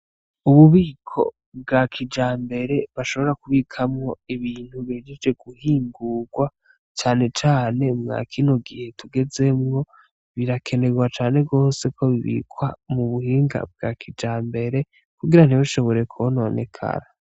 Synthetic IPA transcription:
uβuβiːkʰo̞̰ | b̚ɡakʰid͡ʒaːmbe̞ɾe̞βaʃo̞βo̞ɾakuβikʰamŋo̞iβiːn̥huβiːd͡ʒed͡ʒd͡ʒe̞ɡ̥uhiːŋɡuːɡwa | t͡ʃaːne̞t͡ʃaːne̞mŋa̰ːkʰino̞ɡihe̞tuɡe̞ze̞mŋo̞ | βiɾakʰe̞ne̞ɡwat͡ʃaːne̞bɡo̞ːse̞kʰo̞βiβḭːkwamuβuhiːŋɡa̰b̚ɡa̰kʰid͡ʒaːmbe̞ɾe | kuɡiɾan̥iβuʃo̞βo̞ɾe̞kʰoono̞ne̞̰kʰa̰ɾa

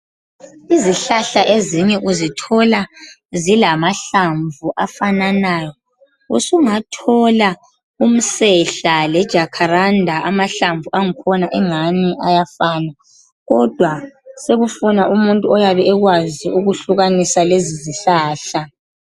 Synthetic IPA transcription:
iziɬaɬaʔeziɲɛʔuzitʰɔla | zilamaɬaɱvuʔafananaːjɔ | usuŋatʰɔla | um̩sɛɬalɛd̥ʒ̥ʱakʰaɾandʱaamaɬaɱvʱuʔaŋikʰɔnaʔɛŋaniʔajafaːna | ɣɔd̥ʱwaseɣufunaumuntʼuɔjaβɛɛɣwaziuɣuɬuɣanisaleziziɬaːɬa

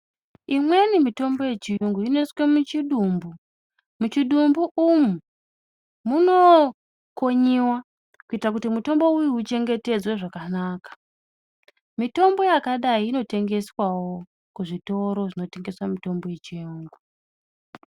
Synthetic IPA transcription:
imwe̞nimito̞mbo̞je̞t͡ʃijuŋɡuineswemut͡ʃiɗuːmbu | mut͡ʃiɗumbuʔumu | muno̞ | ko̞ɲiwa | kuitrakutimuto̞mbo̞ujiut͡ʃe̞ŋɡe̞te̞d͡zweʐakanaːkḁ | mito̞mbo̞jakaɗaiːno̞te̞ŋɡe̞swawo̞ | kuʐito̞ɾo̞ʐino̞te̞ŋɡe̞swamito̞mbo̞je̞t͡ʃijuːŋɡu

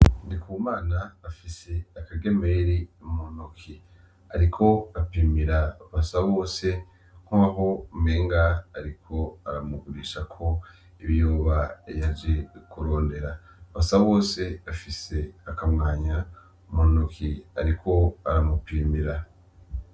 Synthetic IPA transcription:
ndikʰuːmaːnaːfise̞akaɡeme̞ɾiumonukʰi | a̰ɾikʰo̞apiːmiɾaβasaβo̞ːse̞ | ŋ̥huaɦo̞meːŋɡaːɾikʰo̞aɾamuɡuɾiːʃakʰo̞ | iβijuːβajad͡ʒekuɾo̞ːnde̞ɾa | βasaβo̞ːse̞afise̞akamŋaːɲa | monukʰia̰ɾikʰo̞aɾamupiːmiɾa

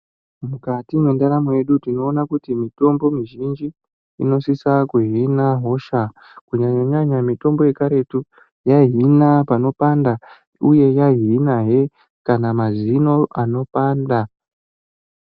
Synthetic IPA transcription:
mukatimwe̞ndaɾamoje̞ɗutino̞ːnakutimito̞mbo̞miʒind͡ʒi | ino̞sisakuɦinaɦo̞ʃa | kuɲaɲaɲamito̞mbo̞je̞kaɾe̞tu | jaɦinapano̞panda | uje̞jaɦinaɦe̞ | kanamazino̞ano̞paːnda

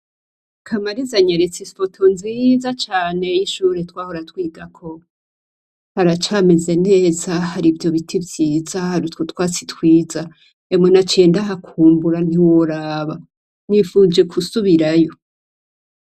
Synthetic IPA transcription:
kʰamaɾizaɲeɾet͡sispotʰonzizat͡ʃaːne̞jiʃuːɾe̞twaːhoɾatwiːɡakʰo̞ | haɾat͡ʃaːme̞ze̞ne̞ːzahaɾivjo̞βitʰibjiːzahaɾutkotwaːt͡sitwiːza | emonat͡ʃe̞ːndaɦakʰuːmbuɾan̥iwoɾaːβa | nifuːd͡ʒe̞kʰusuβiɾajo̞

